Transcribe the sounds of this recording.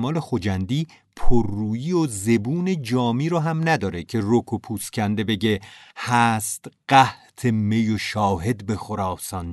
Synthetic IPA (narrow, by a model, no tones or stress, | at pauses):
mɒːle̞xod͡ʒænd̪iː | pʰorːuːjiːoze̞buːne̞d͡ʒɒːmiːɾɒːɦæmnæd̪ɒːɾecʰe̞rokʰopʰuːscʲʰænd̪e̞be̞ɟe̞hæst̪ɢ̥æht̪ʰeme̞joʃɒːɦe̞d̪bexoɾɒːsɒn